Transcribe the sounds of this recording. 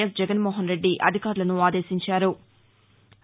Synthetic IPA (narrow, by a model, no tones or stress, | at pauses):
ɐsd͡ʒɛɡɐnmoːɦɐnɾe̞ɖːiʔɐ̰d̪ʱikaːɾulɐnuaːd̪e̞ːʃiɲt͡ʃaːɾu